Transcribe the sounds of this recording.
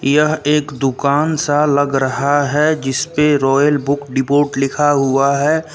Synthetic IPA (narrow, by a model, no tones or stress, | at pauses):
jɐɦeːkd̪ʊkaːnsalɐɡɾɐɦaɦɛd͡ʒɪspeɾɔːjəlbʊkɖɪpoːʈlɪkʰaɦʊaɦɛː